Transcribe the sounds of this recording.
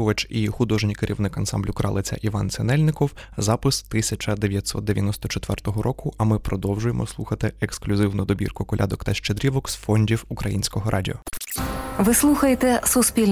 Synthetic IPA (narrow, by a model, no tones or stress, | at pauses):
ʋɐt͡ʃixʊd̪ɔʒnʲijkeɾʲiwnɪkɐnsɑ̰mblʲʊkɾɑ̰lˠɪt͡sʲɐ̰ʔiʋɑnsʲɛnɛlʲnɪkɔwzɑpɪst̪ɪsʲɐt͡ʃɐd̪eʋʲjɐt̪ʲsɔ̰t̪d̪eʋʲjɐ̰nɔst̪ɔt͡ʃet̪ʋɛrt̪ɔɦɔɾʔɔkʊʔʔɐmɪpɾɔd̪ɔwʒʊjemʔɔ̰slˠuxɐt̪ɪeksklʲʊzɪwnʊd̪ɔbʲḭrkʊkɔlʲa̰d̪ɔkt̪ɐʃt͡ʃed̪ɾʲiʋɔksfɔnʲdʲiwukɾɐjinʲsʲkɔɦɔɾʔɑ̰dʲḭɔ | ʋɪslˠuxɐjet̪ɛsʊspʲilʲ